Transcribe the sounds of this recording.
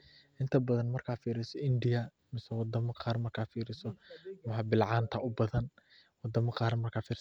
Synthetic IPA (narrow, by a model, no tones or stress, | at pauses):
ʔɪnt̪ʰɐbɐðɐnmɐrkʰaːfiːɾɪsɔɪnd̪ɪjɐ | mɪsɛwɑd̪ɐmɐqɑːrmɐrkʰaːfiːɾɪsɔmħɑbɪlʕɑːnt̪ʰɐʔʊbɐðɐn | wɑd̪ɐmɐqɑːɾmɐrkʰaːfiːɾ